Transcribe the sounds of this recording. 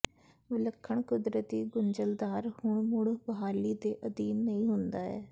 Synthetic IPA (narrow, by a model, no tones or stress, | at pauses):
ʋɪləkʰːəɳkʊd̪ɾət̪iːɡʊnd͡ʒəld̪aːɾhʊɳmʊɽbəɦaːliːd̪eːʔəd̪iːnːəĩːɦʊnd̪aːɛ̰ː